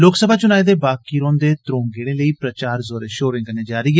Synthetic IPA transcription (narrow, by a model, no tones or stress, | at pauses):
loːksəbʱaːt͡ʃʊnaːiːd̪eːbaːkiːɾõːnd̪eːt̪ɾõːŋɡeːɽ̃ẽːləiːpɾət͡ʃaːɾzoːɾeːʃoːɾɪ̃ŋkəneːd͡ʒaːɾiː